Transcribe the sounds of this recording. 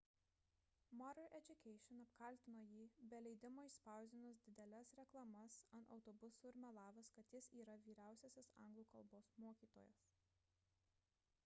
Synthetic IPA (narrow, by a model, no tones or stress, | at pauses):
mɔɾɐlʔɛd͡ʒʲʊkʲɛɪʃʲɪnɐpkɐlʲˑt̪ʲɪnoːjiːbʲɛlʲɛɪd̪ʲɪmoːɪspɑˑʊzʲd̪ʲɪnʊs̬d̪ʲɪd̪ʲɛlʲɛsɾʲɛklˠɐmɐsɐnt̪ɒ̰ʊt̪ɔbʊsuːɪɾʲmʲɛlˠɑːʋɐskɐt̪jɪsiːɾɐʋʲiːɾʲæˑʊsʲɛsʲɛsɐ̰̃ˑŋɡlˠuːkɐlˠboːsmoɔkʲiːt̪o̰ːjɛ̰s